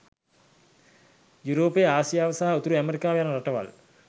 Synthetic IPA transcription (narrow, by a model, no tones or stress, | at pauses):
juɾoːpejaːsijaːʋəsaɦaut̪uɾuæmeɾikaːʋejanəɾaʈəʋa̰l